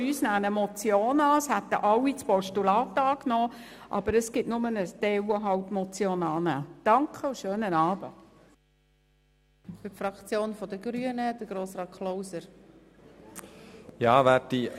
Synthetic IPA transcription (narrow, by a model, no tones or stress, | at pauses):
yːsnæːnəmɔt͡sjoːnɑːshæt̪ə̰ʔɑlːit͡spɔʃtulɑːt̪ɑːknɔː | ʔɑ̰b̥əɾəsɡ̥ɪtnʊmənət̪ɛwəɦɑwtmɔt͡sjoːnɑːnæːd̥ɑŋkχəʊʃøːnənɑːb̥ə | fytfɾɑkt͡sjoːnfɔd̪əɡ̥ɾyənəd̥̪əɡ̥ɾoːsrɑːt̪̚kʰlowsəɾ | jɑːʋæːti